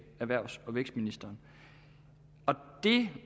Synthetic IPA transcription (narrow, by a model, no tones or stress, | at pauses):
æʋæɐ̰sɒ̽ʋeɡ̥sd̥minisd̥ɐːn | ɒ̽d̥e̝